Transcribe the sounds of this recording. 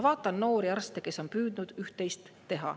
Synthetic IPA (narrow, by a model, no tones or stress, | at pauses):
vɑːt̪ːˑɑnno̞ːɾiɑrst̪e̞ke̞so̞npyːd̪nud̪̥yht̪ːˑe̞jst̪ːe̞ɦɑ̰